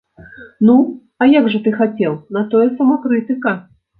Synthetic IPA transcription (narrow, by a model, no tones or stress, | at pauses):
nu | ɐjaɡʐɐt̪ɨxat͡sʲɛwˠnɐt̪ɔjɛsɐmakɾɨt̪ɨkɐ